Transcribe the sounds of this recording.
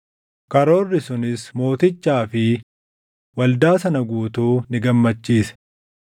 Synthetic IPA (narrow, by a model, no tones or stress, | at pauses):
kɐɾo̞ːrːɪsʊnɪsmo̞ːt̪ɪt͡ʃːaːfɪ | wɐld̪aːsɐnɐɡuːt̪uːnɪɡɐmːɐt͡ʃːiːsɛ̥